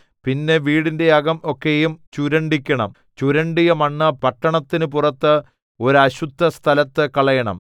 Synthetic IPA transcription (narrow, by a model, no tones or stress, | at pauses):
pinːe̞ʋiːɽinde̞ɐɡɐmo̞kːejumt͡ɕuɾɐɳɖikʲːɐɳɐ̰m | t͡ɕuɾɐɳɖijɐmɐɳːɨpɐʈːɐɳɐt̪ːinɨpurɐt̪ːɨ | o̞ɾuɐɕud̪ʱːɐst̪ʰɐlɐt̪ːɨkɐɭɐjɐɳɐ̰m